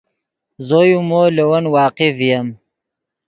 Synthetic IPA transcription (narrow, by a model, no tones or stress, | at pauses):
zojumolewɐnwɑːqɪvijɐm